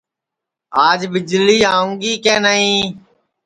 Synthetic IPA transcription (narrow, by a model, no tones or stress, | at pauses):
aːd͡ʒbɪd͡ʒliːaːũŋɡiːkẽːnaɦĩː